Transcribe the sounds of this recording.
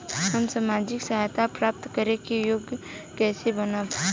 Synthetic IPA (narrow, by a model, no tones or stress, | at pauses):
ɦəmsamaːd͡ʒɪksɐɦajt̪apɾaːp̚t̪kəɾekijoːɡkɛːsebənap